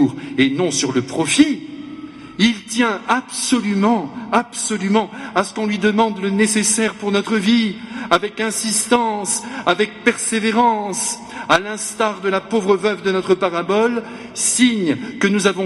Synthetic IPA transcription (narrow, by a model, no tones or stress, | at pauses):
ʁenɔ̃syʁləpχɔfi | ilt̪jɛ̃absɔlymɑ̃absɔlymɑ̃asə̥kɔ̃lɥid̪əmɑ̃d̪lənesesɛʁpuʁnɔt̪χəviavɛkɛ̃sist̪ɑ̃savɛk̚pɛʁseveʁɑ̃s | alɛ̃st̪aʁd̪əlapovʁəvœvd̪ənɔt̪χəpaʁabɔl | siɲkənuzavɔ̃